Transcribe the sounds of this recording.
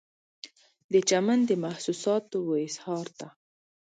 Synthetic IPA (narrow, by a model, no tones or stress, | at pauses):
d̪ət͡ʃamand̪əmahsusɑt̪owəɪshɑɾt̪a